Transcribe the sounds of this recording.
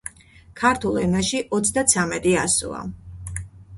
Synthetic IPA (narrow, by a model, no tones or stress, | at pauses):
kʰaɾt̪ʰulˠɛnaʃiʔɔt̪sʰd̪at̪sʰamɛt̪ʼiasṵa̰